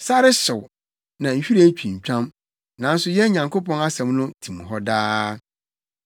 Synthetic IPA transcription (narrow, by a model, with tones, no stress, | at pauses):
sa˦ɾɪ˦sʊ˨w | nã˨ɲ̩˨ɕᶣi˦ɾe˦t͡ɕʰᶣĩ˨ɲ̩˨t͡ɕᶣã˦m | nã˨˦n̩˦sʊ˦jɛ˦ɲã˨ŋkʰo˦pɔ̃˦na˦sɛ̃˨mnʊ̃˦tʰĩ˨mɦɔ˦daː˦